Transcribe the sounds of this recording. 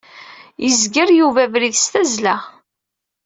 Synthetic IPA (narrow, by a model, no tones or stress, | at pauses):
jəzɡəɾjuvævɾiðst̪æzlæ